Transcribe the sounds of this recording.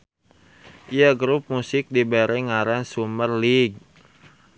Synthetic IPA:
ʔiaɡɾup̚musɪk̚dibeɾɛŋaɾansumərliɡ̚

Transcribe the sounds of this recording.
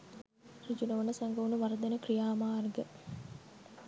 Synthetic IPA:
ɾid͡ʒunɐʋɐnəsaŋɡɐʋunuʋɐɾɐd̪enəkrijaːmaːrɡə

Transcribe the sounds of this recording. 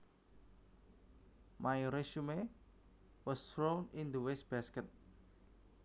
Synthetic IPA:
majɾeʃume | wɔstɾonɪnd̪uwɛs̚b̥askɛt̪̚

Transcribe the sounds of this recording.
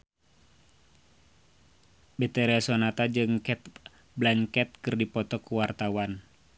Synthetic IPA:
bet̪ɛɾɛsɔnat̪ad͡ʒɨŋkɛt̪̚ | blankɛt̪̚kɨrdipɔt̪ɔkuwart̪awan

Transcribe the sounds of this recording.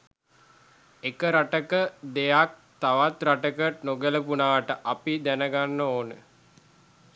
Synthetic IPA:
ekəɾaʈəkəd̪ejak̚t̪aʋat̪raʈəkənoɡələpunaːaʈəʔapid̪ænəɡanːəoːnə

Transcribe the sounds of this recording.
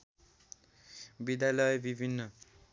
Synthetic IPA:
bid̪jalʌjbibʱinːʌ

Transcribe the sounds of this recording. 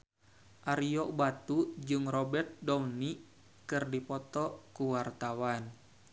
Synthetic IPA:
ʔaɾijɔʔbat̪ud͡ʒɨŋrɔbɛrt̪̚dɔmni | kɨrdipɔt̪ɔkuwart̪awan

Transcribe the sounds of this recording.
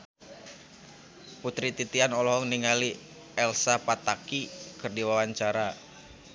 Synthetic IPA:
put̪ɾit̪it̪ianɔlɔɦɔŋniŋali | ɛlsapat̪akikɨrdiwawaɲt͡ʃaɾa

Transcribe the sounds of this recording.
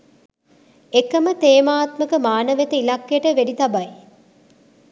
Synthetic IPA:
ekːəmət̪eːmaːt̪məkəmaːnəʋet̪əilakːejəʈəʋeɖit̪ɐbaj

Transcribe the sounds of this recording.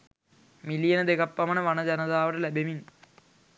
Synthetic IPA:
milijɐnɐd̪eɣɐpːɐmɐnɐʋɐɳɐd͡ʑɐnɐðaːʋɐɽɐlebɐmin

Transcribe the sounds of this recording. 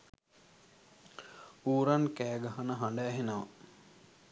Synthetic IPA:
uːɾankæːɡaɦanəɦaɳɖaːɦenəʋa

